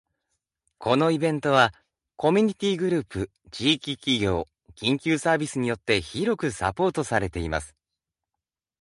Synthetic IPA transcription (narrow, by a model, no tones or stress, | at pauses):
kʰo̞no̞ibẽ̞nt̪o̞β̞a | ko̞mʲiɲ̟it̪ʲiːɡɯ̟ɾɯ̟ːpɯ̟ | t͡ɕiːkʲikʲiɡʲo̞ː | kʲĩŋkʲɨːsaːbʲisɨɲ̟ijo̞t̪ːe̞çiɾo̞kɯ̟sa̰po̞ːt̪o̞saɾe̞t̪e̞ima̰sɨ̥